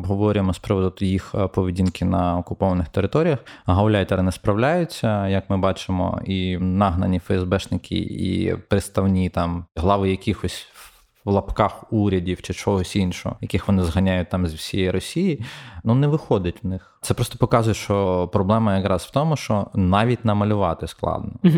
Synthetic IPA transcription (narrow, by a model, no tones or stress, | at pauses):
bɦɔʋɔɾʲjemɔspɾɪʋɔd̪ʊd̪jixpɔʋʲidʲinkɪnɐɔkʊpɔʋɐnɪxt̪eɾɪt̪ɔɾʲijɐxɦɐwlʲajʊt̪ʲɐlˠɛnɛspɾɐwlʲajʊt͡sʲːɐjɐkmɪbɑt͡ʃɪmɔ̰inɑɦnɐnʲifɛɛzbɛʃnɪkʰʲɪ̰ḭpɾɪt̪st̪ɐwnʲit̪ɑmɦlˠɑʋɪjɐkʲixɔsʲ | lˠɐpkɑxuɾʲɐdʲiwt͡ʃɪt͡ʃɔɦɔsʲinʃɔ̰ɦɔ̰jɐkʲɪxʋɔnɪzɦɐnʲajʊt̚ʲt̪ɑmzʲwsʲijɛjiɾɔsʲijinunɛʋɪxɔd̪ʲɐtʲʋnɪxt̪ɛpɾɔst̪ɔpɔkɑzʊjɛʃt͡ʃɔpɾɔblˠɛmɐjɐkɾɑsʋ̥t̪ɔmʊʃt͡ʃɔnɑʋʲitʲnɐmɐlʲʊʋɑt̪ɪsklˠɑ̰d̪nɔ